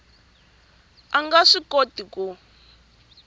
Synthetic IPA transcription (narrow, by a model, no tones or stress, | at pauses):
aŋɡaʂikotiku